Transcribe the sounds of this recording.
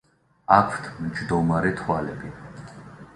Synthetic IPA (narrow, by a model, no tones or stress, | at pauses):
akʰt̪ʰmd͡ʒd̪ɔmaɾɛt̪ʰwalɛbi